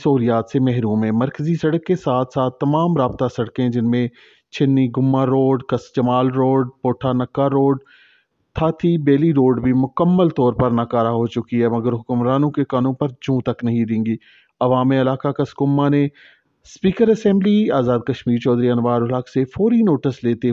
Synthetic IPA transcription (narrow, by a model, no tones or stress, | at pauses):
sɐɦuːlijaːt̪semɛɦɾuːmɦɛ̃ːmɐɾkəzisɐɽəkːesaːt̪ʰsaːt̪ʰːɐmaːmɾaːbt̪asɐɽkẽd͡ʒɪnmẽ | t͡ʃʰɪnːiɡʊmːaɾoːɖkɐsd͡ʒɐmaːlɾoːɖ̚poːʈʰanɐkːaɾoːɖ | t̪ʰaːt̪ʰibeːliɾoːɖbʱimʊkəmːəlt̪ɔːɾpɐɾnaːkaːɾaɦot͡ʃʊkiɦɛmɐɡəɾɦʊkʊmɾaːnõkekanõpɐɾd͡ʒũːt̪ɐknɐɦĩd̪ẽːŋɡiː | ɐʋaːmẽɐlaːkakɐskʊmːane | spiːkəɾɛsɛ̃ːmbliaːzaːd̪̚kɐʃmiːɾt͡ʃɔːd̪ɾiɐnʋaːɾʊlaːksefɔːɾinoːʈəsleːt̪e